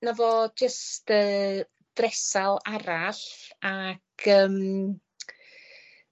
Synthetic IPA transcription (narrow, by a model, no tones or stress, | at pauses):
navɔd͡ʒəstəː | d̥rɛsalˠaɾaɬakʰəːm